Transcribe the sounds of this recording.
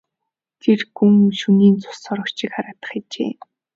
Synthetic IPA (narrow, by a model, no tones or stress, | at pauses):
t̪ʰerɡuŋʃuniːnt͡sʊ̥sɔːɾʊkt͡ɕɪ̆kχaɾaːt̪ə̥̆χat͡ɕḛː